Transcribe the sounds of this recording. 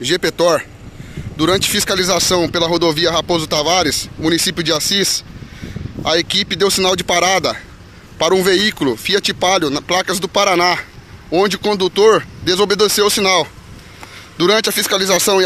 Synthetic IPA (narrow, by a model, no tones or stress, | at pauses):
ʒepet̪ɔɾ | d̪uɾɐ̃nt͡ʃɪ̥fiskalizasɐ̃w̃pelɐɦod̪oviɐɦapozʊt̪avaɾɪsmũnisipjʊd͡ʒɪasis | ɐekipɪd̪ewsinawd͡ʒɪpaɾad̪ɐ | paɾɐũveikulʊfiɐt͡ʃipaʎjʊnɐplakɐzd̪ʊpaɾanaõnd͡ʒɪʊkõnd̪ut̪oɾd̪ezobed̪esewʊsinaw | d̪uɾɐ̃nt͡ʃɪɐfiskalizasɐ̃w̃